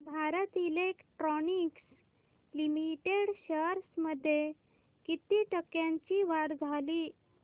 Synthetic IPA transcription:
bʱaɾət̪ilekʈɾɔniks | limiʈeɽɕəɾsməd̪ʱːje | kit̪iʈəkjãɲt͡ɕiʋaɽd͡zʱaliː

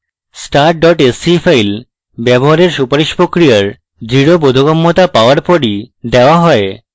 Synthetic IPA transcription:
sʈaɾʈ̚ɖɔʈesifajl | bɛboɦaɾeɾʃupaɾiʃpɾokɾijaɾ | d͡ʑiɽobod̪ʱoɡɔmːot̪apaoaɾpɔɾid̪eoaɦɔe

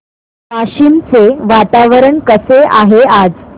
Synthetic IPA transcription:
paɕiːnt͡seʋat̪aʋəɾəɳkəseʔa̰ɦead͡z

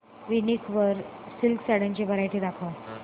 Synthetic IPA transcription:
ʋinikʰʋəɾsilksaɽãɲt͡ɕebʱəɾajʈiːd̪akʰə

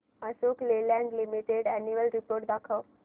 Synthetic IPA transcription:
əsoklelɛ̃ɳɖlimiʈeɖɛnjuʋəlɾipoɾʈ̚d̪akʰə

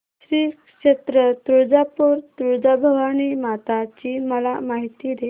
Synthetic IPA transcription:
ɕɾiːkʂet̪ɾət̪ɾud͡zapuɾt̪ɾud͡zabʱəʋanimat̪at͡ɕiməlamaɦit̪id̪e

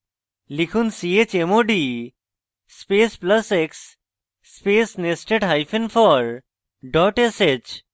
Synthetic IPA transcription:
likʰunsiet͡ɕemoɖi | spesplɐseksː | pesnesʈeʈɦajfʰenfʰɔɾ | ɖɔʈeset͡ɕ

